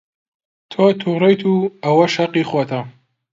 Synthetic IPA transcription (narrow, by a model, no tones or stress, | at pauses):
t̪ʰoːt̪ʰuːrejt̪ʰuːɐwɐʃɐqiːxwoːt̪ʰɐ